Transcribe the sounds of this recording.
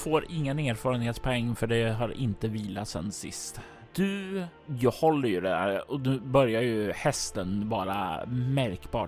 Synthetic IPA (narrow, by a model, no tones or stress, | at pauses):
foːɾɪŋːəneːɾfɑːɾənheːt̪spʰɔɛŋːfœɖɛɦaɾɪ̰nt̪əviːlat̪sɛ̰nːsɪ̰st̪ | d̪̥ɵ | jɑhɔlːəɾjɵd̪ɛd̪æ̰ːɾɔd̪ʉbœɾjaɾjɵhɛst̪ənbɑːɾa̰mæɾkbɑ̰ːʈ